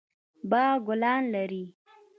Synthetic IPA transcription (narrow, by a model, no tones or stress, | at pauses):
bɑɡʊlɑnlaɾi